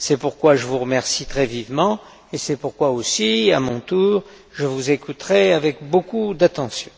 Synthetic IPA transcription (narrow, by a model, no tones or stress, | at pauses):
sɛpuʁkwaʒəvuʁəmɛʁsit̪χɛvivmɑ̃ | esɛpuʁkwaosiamɔ̃t̪uːʁ | ʒəvuzekʰut̪χɛavɛkbokud̪at̪ɑ̃sjɔ̃